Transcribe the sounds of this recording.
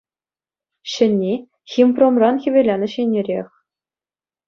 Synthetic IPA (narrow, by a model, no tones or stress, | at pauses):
ɕɘ̆nʲːe | xʲimpromrɑnxʲĭʋʲelʲenɘ̆ɕenʲːĕɾʲexʲ